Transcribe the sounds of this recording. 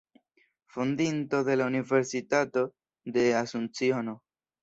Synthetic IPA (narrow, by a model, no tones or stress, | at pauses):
fund̪into̞ðe̞launive̞ɾsitato̞ | d̪e̞asunt͡siono